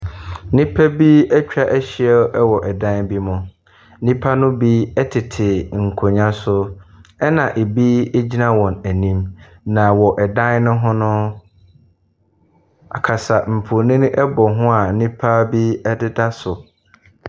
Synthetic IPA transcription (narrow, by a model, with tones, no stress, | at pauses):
nĩ˦pʰæ˦bi˦ɛ˦t͡ɕᶣa˦˨ʔæ˦ɕɪ˨˦ɛ˦lɛ˦wɔ˨ʔɛ˨dã˦nbi˦mʊ̃˨˦ | nĩ˦pʰa˦nʊ̃˦bi˦ɛ˦tʰɪ˨tʰɪ˨ŋ̩˨kʰo˨ɲã˦sʊ˦ɛ˦nã˨ʔe˨bi˦e˦d͡ʑi˦nã˦wɔ̃˨næ˨nĩ˦m | nã˨wɔ˨ʔɛ˨dã˦nnʊ̃˦ɦʊ̃˦nʊ̃˦ | a̰˨kʰa˨sa˨m̩˨pʰʊ˨nĩ˦ñ˦ʔɛ˦bɔ˨ɦʊ̃˦a˨nĩ˦pʰa˦bi˦ɛ˦dɪ˦da˦sʊ˨